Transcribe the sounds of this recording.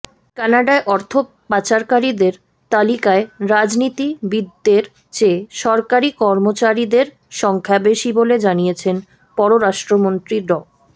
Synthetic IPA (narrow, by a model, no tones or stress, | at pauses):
kɛnaɖaeʔɔɾt̪ʰo | pat͡ɕaɾkaɾid̪eɾ | t̪alikaeɾad͡ʑnit̪ibid̪ːeɾ | t͡ɕeʃɔɾkaɾikɔɾmot͡ɕaɾid̪eɾ | ʃɔŋkʰabeʃiboled͡ʑanijet͡ɕʰen | pɔɾoɾaʃʈɾomont̪ɾiɖɔ